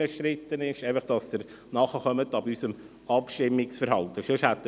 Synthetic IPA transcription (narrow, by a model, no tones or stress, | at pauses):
əʃɾɪt̪ːənɪʃeɪfəχd̥ɑsd̥̪əɾ | nɑχəχœmətɑbysəm | ɑpʃtɪmːɪksfəɾhɑlt̪əʃøʃhæt̪ː